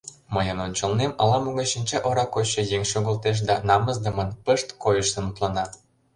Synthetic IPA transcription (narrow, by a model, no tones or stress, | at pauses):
məjənonʲt͡ɕə̆lnemɑlɑmuɣɑʃinʲt͡ɕɑʔoɾɑkoɕːɤ̆jeŋʃoɣə̆lt̪eʃ̬d̪ɑnɑməzd̪ə̆mənpəʃt̪kojəʃt̪ə̆nut̪lɑnɑ